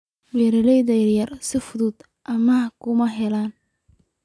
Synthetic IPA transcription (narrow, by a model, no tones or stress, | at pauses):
wɛɾɪlɛjðɐjɐrjɐrsɪfʊðʊd̪ | ʔɐmɐkʰʊmɐɦɛlaːn